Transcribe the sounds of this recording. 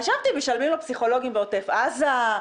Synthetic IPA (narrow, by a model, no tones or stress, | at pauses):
aʃavt̪ibeʃalmimlopsiχo̞lo̞ɡimbeot̪e̞faza